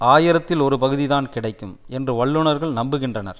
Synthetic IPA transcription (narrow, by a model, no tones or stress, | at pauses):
aːjɪɾɐt̪ːɪlɔɾɯpɐɣɯðɪðaːnkɪɽɐɪkːɯmɛndrɯʋɐɭːɯɳɐɾɣɐɭnɐmbɯɣɪndrɐnɐɾ